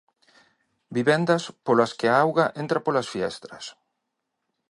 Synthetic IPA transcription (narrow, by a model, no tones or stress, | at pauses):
biβɛnd̪ɐspolaskɪaawɣaʔent̪ɾapolasfiɛ̰st̪ɾɐs